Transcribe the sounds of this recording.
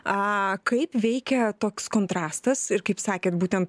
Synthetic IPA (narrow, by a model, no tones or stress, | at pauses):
ɐkɐɪpʋʲɛɪkʲɛt̪oːkskoːnt̪ɾɑːst̪ɐsɪɾkɐɪpsɑːkʲeːt̪buːt̪ʲɛnt̪